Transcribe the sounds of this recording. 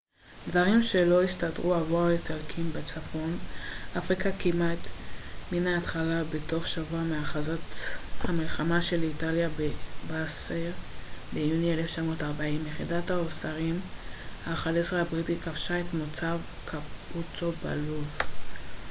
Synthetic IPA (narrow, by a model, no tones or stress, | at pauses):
dvaʁimʃe̞lo̞istadʁuhavoaletalkʰimbet͡safo̞nʔafʁikakimat̪minaːt̪χalabe̞to̞χʃavuameaχazathamilχamaʃelitaljabebaseʁbejunieleft͡ʃamo̞taʁbaimjeχidathaosaʁimhaχaleseabʁitikafʃae̞tmot͡sav | kʰaput͡soba̰luv